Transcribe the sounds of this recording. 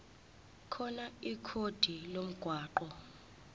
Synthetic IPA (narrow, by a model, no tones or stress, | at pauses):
kʰɔnaikʰod̥ʱilom̩ɡ̥ʱwaːǃɔ